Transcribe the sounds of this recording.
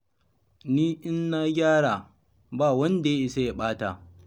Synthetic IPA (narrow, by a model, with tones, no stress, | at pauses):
niː˦ʔɪ˦nːaː˦ɡʲaː˦ɽaː˨ | baː˦˨wɐ˦nda˨je˦ʔi˨sa˦ja˨ɓaː˦ta̰ː˨